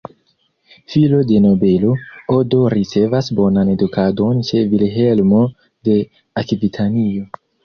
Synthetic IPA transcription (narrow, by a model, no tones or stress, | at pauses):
filo̞de̞no̞be̞lo̞odo̞ɾit͡se̞vasbo̞nane̞dukʰado̞nt͡ʃe̞vilɦe̞lmo̞ | de̞ | akbitʰanio̞